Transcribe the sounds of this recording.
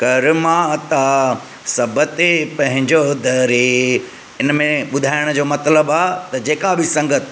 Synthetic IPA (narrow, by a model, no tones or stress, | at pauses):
kɐɾmãt̪a | sɐbət̪epɐ̃ɦɪ̃ɲd͡ʑod̪ɐɾi | ɪnmẽɓʊd̪ʱaːɪɽ̃d͡ʑoːmɐt̪ləbaːt̪ɐd͡ʑeːkabʱɪsɐ̃ŋɡət̪